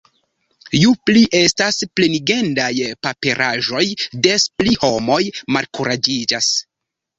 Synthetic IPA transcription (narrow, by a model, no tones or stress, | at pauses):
jupliʔe̞stasple̞niɡe̞ndajpape̞ɾʔaʒo̞jde̞spliho̞mo̞jmalkuɾad͡ʒid͡ʒas